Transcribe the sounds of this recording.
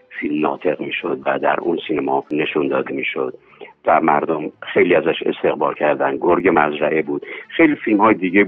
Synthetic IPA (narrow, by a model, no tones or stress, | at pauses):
filmnɒ̰ːt̪ʰe̞ɣmiːʃo̞d̪væd̪æ̰ɾunsiːnæmɒːne̞ʃund̪ɒːd̪emiːʃod̪̥̚ | væmæɾd̪omxejliːæzæʃe̞̰st̪e̞ɣbɒːlcʰæɾd̪ænɡoɾɡemæzɾæʔebuːd̪̥xejliːfilmhɒːjed̪iːɟe